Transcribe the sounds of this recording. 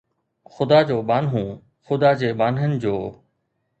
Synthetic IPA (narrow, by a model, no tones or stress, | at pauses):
xʊd̪aːd͡ʑoːbaːnɦũ | xʊd̪ad͡ʑeːbaːnɦənɪ̆d͡ʑoː